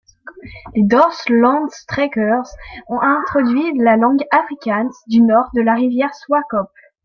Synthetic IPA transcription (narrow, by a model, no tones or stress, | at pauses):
led̪ɔʁslɑ̃d̪st̪χɛkœʁzɔ̃ʔɛ̃t̪χɔd̪ɥilalɑ̃ɡafχikʲand̪ynɔʁd̪əlaʁivjɛʁswakɔpl